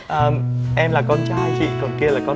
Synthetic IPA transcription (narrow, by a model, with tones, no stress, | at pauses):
ʔəː˨˩m | ʔɛ˧mlaː˨˩kɔ˧nt͡ɕaː˧˦jt͡ɕḭ˧˨kɔ˨˩nki˧əlaː˨˩kɔ˧